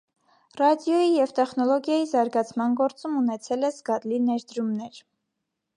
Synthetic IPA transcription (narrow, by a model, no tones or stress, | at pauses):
rɑd̪jɔjijɛvt̪ɛχnɔlɔɡjɑjizɑɾɡɑt͡sʰmɑnɡɔɾt͡sumunɛt͡sʰɛlɛzɡɑd̪linɛɾd̪əɾumnɛɾ